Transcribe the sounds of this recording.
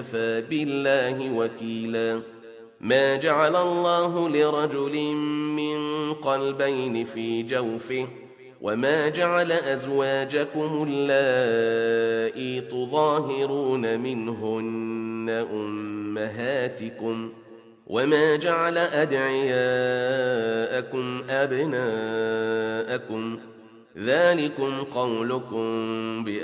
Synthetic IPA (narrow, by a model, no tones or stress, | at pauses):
faːbɪlːaːɦɪwakiːlaː | maːd͡ʒaʕalalˤːɑːɦʊlɪɾˤɑd͡ʒʊlɪmmɪnqɑlbajnɪfiːd͡ʒawfɪ | wʔa̰maːd͡ʒaʕalaʔazwaːd͡ʒakʊmʊlːaː | ʔiːt̪ʊðˤɑːɦɪɾuːnamɪnɦʊnːaʔʊmːaɦaːt̪ɪkʊm | wʔamaːd͡ʒaʕalaʔad̪ʕɪjaː | ʔakʊmʔabnaː | ʔakʊm | ðaːlɪkʊmqɑwlʊkʊmbɪʔ